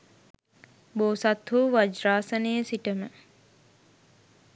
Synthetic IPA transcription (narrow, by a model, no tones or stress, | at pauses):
boːsat̪ɦuːʋad͡ʒɾaːsənejəsiʈəmə